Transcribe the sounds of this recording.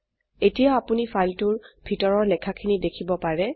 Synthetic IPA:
etijaapunifʰajltʊɹbʱitɔɹɔɹlɛkʰakʰinidekʰibɔpaɹɛ

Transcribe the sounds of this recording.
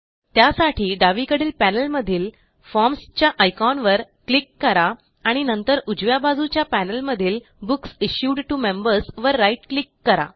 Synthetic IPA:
t̪jasaʈʰiːɖaʋikəɽiːlpænəlməd̪ʱiːl | fɔɾmst͡ɕjaʔəjkɔnʋəɾ | klikːəɾaː | ɽ̃inənt̪əɾud͡ʑʋjabad͡zut͡ɕjapænəlməd̪ʱiːl | buksiɕjuɖʈumembəɾsʋəɾːaiʈklikːəɾa̰

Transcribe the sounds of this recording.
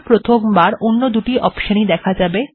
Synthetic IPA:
pɾot̪ʰombaɾonːod̪uʈiʔɔpʃanid̪ɛkʰad͡ʑabe

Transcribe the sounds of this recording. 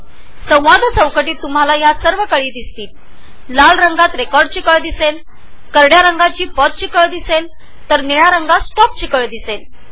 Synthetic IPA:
sə̃w̃ʋad̪ʱət͡sə̃w̃kəʈiːt̪ːum̤ɦalajasəɾʋəkəɭiːd̪ist̪iːl | lalɾəŋɡat̪ɾekɔɾɖ̚t͡ɕikəɭd̪isel | kəɾɽjaɾəŋɡat͡ɕiːpɔt̪̚t͡ɕikəɭd̪isel | t̪əɾniɭaɾəŋɡasʈɔp̚t͡ɕikəɭd̪isel

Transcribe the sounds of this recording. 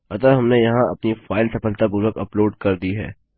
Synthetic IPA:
ɐt̪əɦɐmnejɐɦãɐ̰pnifaːɪlsɐpəlt̪abʊləkɐ̰ploːɖkɐɾd̪iɦɛ̰ː

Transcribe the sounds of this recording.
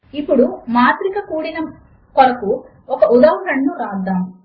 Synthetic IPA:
ipːuɽumaːt̪ɾikɐkuːɽinɐ | kɔlɐku | ɔkɐʔud̪ɐɐɾɐɳːuɾaːd̪aːm

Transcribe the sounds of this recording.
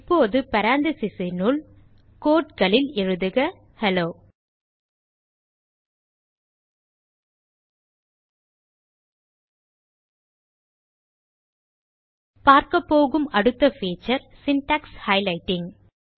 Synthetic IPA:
pːoːðɯpɐɾaːnd̪ɯsɪsinul | koːʈ̚kɐɭɪlɛɻɯðɯɣɐ | hɛloː | paːɾkɐpːoːɣɯmɐɽɯt̪ːɐfiːt͡ʃɐɾsɪnʈaːkshɐɪlɐɪʈːɪŋ

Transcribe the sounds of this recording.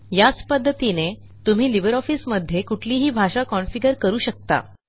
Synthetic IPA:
jat͡spəd̪ʱːət̪ine | t̪um̤iːliʋəɾɔfiːsməd̪ʱːjekuʈʰliːɦiːbʱaɕakɔnfiɡəɾkəɾuːɕək̚t̪a̰

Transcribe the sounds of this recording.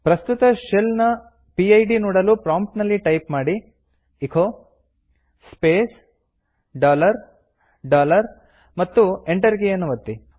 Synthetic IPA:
pɾɐst̪ut̪ɐʃelnɐ | piɐjɖinuːɽɐlupɾaːmp̚ʈnɐlːiʈɐjpmaːɽi | ikʰoː | speːs | ɖaːlɐɾ | ɖaːlɐɾ | mɐt̪ːueɳʈɐɾɡejɐnːuʋɐt̪ːi

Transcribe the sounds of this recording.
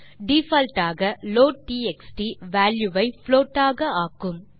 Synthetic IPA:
ɖiːfɐlʈaːɣɐloːʈiːɛksʈiʋaːljuʋɐɪfloːʈːaːɣɐaːkːɯm

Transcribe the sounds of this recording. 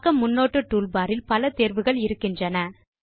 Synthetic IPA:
kɐmːʊnːoːʈːɯʈːuːlbaːɾɪlpɐlɐt̪eːɾʋɯɣɐɭɪɾɯkːɪndrɐnɐ

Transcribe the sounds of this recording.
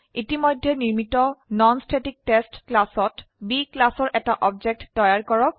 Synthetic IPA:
itimɔjdʱːɛniɹmitɔnɔnstʰetik̚testklasɔtbiklasɔɹʔɛtaʔɔbd͡ʒek̚tːɔjaɹkɔɹɔk̚

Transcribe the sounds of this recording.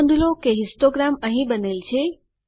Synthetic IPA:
nd̪ʱulokeɦɪ̃sʈoɡɾamə̃ɦĩbənelt͡ʃʰe

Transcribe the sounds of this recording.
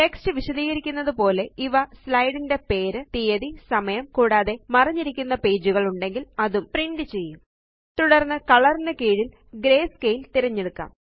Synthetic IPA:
ʈekstɨʋiɕɐðiːɣɐɾikʲːunːɐðɨpo̞ːle̞iʋɐslɐjɽinde̞pe̞ːɾɨt̪ijɐðisɐmɐjɐmkuːɽaːðe̞mɐrɐɲːiɾikʲːunːɐpe̞ːd͡ʑuɣɐɭuɳɖe̞ŋɡilɐðumpriɳɖɨt͡ɕe̞jːum | t̪uɽɐrnːɨkɐɭɐrnːɐkeːɻil | ɡɾe̞ːskejilt̪iɾɐɲːeɽukːa̰ːm

